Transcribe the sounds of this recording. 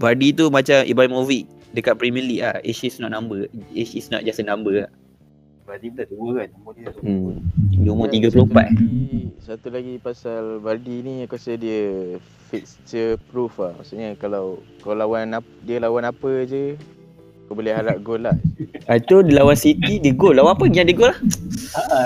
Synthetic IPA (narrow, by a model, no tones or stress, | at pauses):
badit̪umat͡ʃamʔḭbamoviʔ̚ | dəkat̪̚pɾimɛliʔlahesisnɔ̰ʔnambəesisnɔ̰ʔ̚d͡ʒasənãmbəla | badit̪at̪uməandmot̪i | dumot̪iɡəpəlompaʔ̪ | sat̪ulaɡipasalbadinĩkuasədiə | fikst͡ʃəpɾufahma̰ʔsuʔɲəkalaw | kaalawana | diəlawanapəd͡ʒə | kobolɛhɦaɾaʔ̚ɡolahat̪udilawansit̪idəɡolːawanapəɡiɲãʔdəɡolah